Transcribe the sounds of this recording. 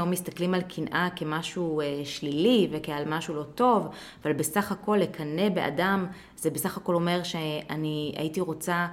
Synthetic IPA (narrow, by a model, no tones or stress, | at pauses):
omːist̪aklimalkʰinʔake̞maʃueʃlilivekealmaʃulo̞to̞vavalbe̞saχako̞lːekʰane̞be̞̰ʔa̰dam | zebesaχako̞lo̞me̞ʁʃeania̰itiʁo̞t͡sa